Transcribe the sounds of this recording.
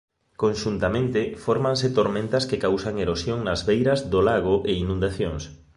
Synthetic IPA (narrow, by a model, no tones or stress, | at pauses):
konʃunt̪amẽnt̪ɪfoɾmãŋsɪt̪oɾmẽnt̪ɐskekawsaŋeɾosjoŋnɐzβejɾɐzðolaɣ̞oʔeinũnd̪aθjoŋs